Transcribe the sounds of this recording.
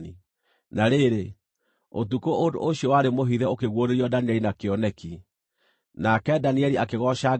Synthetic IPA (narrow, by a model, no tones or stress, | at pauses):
i | naɾeɾe | otukoʔodo̰oɕiɔwaɾemoɦiðɛokeɣwoɾeɾiɔdaniɛɾinakeɔnɛki | nakɛdaniɛɾiakeɣɔɕa